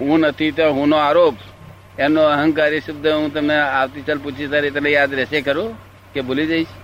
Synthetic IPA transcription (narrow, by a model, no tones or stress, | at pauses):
ɦũnət̪ʰit̪ə̃ɦũnoaɾoːp | enoəɦə̃ŋkaɾisəb̚d̪ʱəɦũt̪̬əmneawt̪it͡ʃəlput͡ʃʰit̪əɾet̪najad̪ɾesekəɾu | kebolid͡ʒaɪt͡ʃʰ